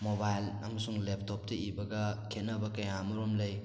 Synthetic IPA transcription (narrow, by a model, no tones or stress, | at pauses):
mobajlɐ̰mɐsuŋlep̚ʰtʰop̚tɐibɐɡɐkʰetnɐbɐkɐjamɐɾomlɐj